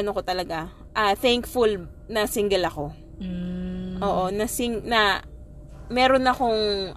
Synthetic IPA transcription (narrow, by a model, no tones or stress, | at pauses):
ɐnoko̞t̪ɐlɐɡa | ʔɐθɛŋkful | nɐsɪŋɡɛlɐko̞ | ʔo̞ːʔo̞nɐsiŋnɐ | mɛːɾo̞nɐko̞ŋ